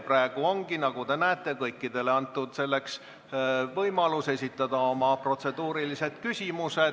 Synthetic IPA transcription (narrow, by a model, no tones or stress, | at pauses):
præeɡ̥uo̞ŋɡinɑɡ̥ut̪e̞næːt̪ːˑe̞kɤjkːid̪̥e̞le̞ɑnt̪ːˑud̪̥se̞lːe̞ks | vɤjmɑluse̞sʲit̪ːˑɑd̪̥ɑo̞mɑpro̞t̪se̞d̪uːɾilise̞d̪̥kysʲimuse